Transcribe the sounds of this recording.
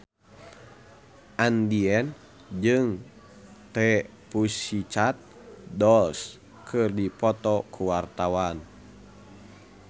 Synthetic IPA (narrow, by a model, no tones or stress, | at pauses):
ʔandiɛn | d͡ʒɨŋ | t̪ɛ | pusit͡ʃat̪̚ | dɔls | kʰɨrdipɔt̪ɔkʰuwart̪awan